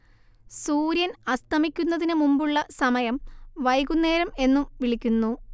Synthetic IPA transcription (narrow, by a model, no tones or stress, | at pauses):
suːɾjɐnɐst̪ʰɐmikʲːunːɐðinɨmumbuɭːɐsɐmɐjɐmʋɐjɣunːe̞ːɾɐme̞nːumʋiɭikʲːunːu